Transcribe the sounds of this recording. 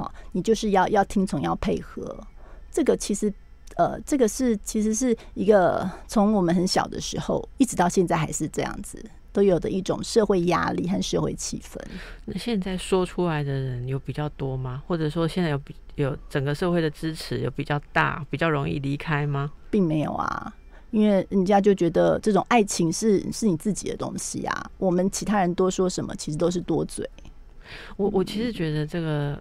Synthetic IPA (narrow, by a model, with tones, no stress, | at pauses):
ɔ̰˨˩ni˨˩t͡ɕjo˥˧ʊʂɻ̩˥˧jɑ˥˧ʊjɑ˥˩ʊt̪ʰi˦˥ŋt͡sʰʊ˧˥ŋjɑ˥˧ʊpʰe˥˩ɪxɤ̰˧˥˦ʈ͡ʂɤ˥˩ɡə˩t͡ɕʰi˧˥ʂɻ̩˧˥ | ə̰˨˩ʈ͡ʂɤ˥˩ɡə˩ʂɻ̩˥˩t͡ɕʰi˧˥ʂɻ̩˧˦ʂɻ̩˥˩ | i˧˥ɡə˧t͡sʰʊ˧˦˥ŋwɔ˨˩mə˦nɦə˧˦nɕjɑ̰˨˩ʊd̪ə̰˦ʂɻ̩˧˥xo̰˥˧ʊi˥˩ʈ͡ʂɻ̩˧t̪ɑ˥˧ʊɕjɛ˥˧nt͡sa˥ɪxa̰˧˥ɪʂɻ̩˥˧ʈ͡ʂɤ˥˧jɑ̰˥˩ŋd͡zɹ̩˩ | t̪o˥ʊjo˨˩ʊd̪ə̰˦i˥˩ʈ͡ʂʊ̰˨˩ŋʂɤ˥˧xwe˥˩ɪja̰˥lḭ˥˧xa˥˧nʂɤ˥˧xwḛ˥˩ɪt͡ɕʰḭ˨˩fə̰˧˦nna˥˧ɕjɛ˥˧nt͡sa˥˩ɪʂwɔ˥ʈ͡ʂʰu˥la˨˦ɪd̪ə˨ɻə˨˦njo˧˥ʊpi˨˩t͡ɕjɑ˥˩ʊt̪wɔ˥ma˦xwɔ˥˩ʈ͡ʂə˨˩ʂwɔ˥ɕjɛ˥˧nt͡sa˥˩jo˨˧˩pjo˨˩ʊʈ͡ʂə˨˩ŋɡə˦ʂɤ˥˧xwe˥˩ɪd̪ə˩ʈ͡ʂɻ̩˦ʈ͡ʂʰɻ̩˧˦jo˨˧ʊpi˨˩t͡ɕjɑ˥˧ʊt̪a̰˥˩pi˨˩t͡ɕjɑ˥˩ʊɻo˧˥ŋḭ˥˩li˧˥kʰa˥ɪma˧pi˥˩ŋme˧˥ɪjo̰˨˩ʊa̰˨˩ | i˥nwe˥˩ɪə˨˩t͡ɕja˥t͡ɕjo˥˩ʊt͡ɕɥɛ˧˥d̪ə˨ʈ͡ʂɤ˥˩ʈ͡ʂʊ˨˩ŋʔa˥˩ɪt͡ɕʰi˧˥ŋʂɻ̩˥˩ʂɻ̩˥˩ni˨˩t͡sɹ̩˥˩t͡ɕḭ˨˩d̪ə̰˦t̪ʊ̰˥ŋɕḭ˨a̰˩wʔɔ˨˩mə˦nt͡ɕʰi˧˥t̪ʰa˥ɻə˧˦nt̪woɔ˥ʂwɔ˥ʂə˧˦nmə̰˨˩t͡ɕʰi˧˥ʂɻ̩˧˥t̪o˥ʊʂ̬ɻ̩˥˩t̪wɔ˥t͡swḛ˨˩ɪ | wɔ˨wɔ˨˩t͡ɕʰi˧˥ʂɻ̩˧˥t͡ɕɥɛ˧˥d̪ə˧ʈ͡ʂɤ˥˩ɡə˨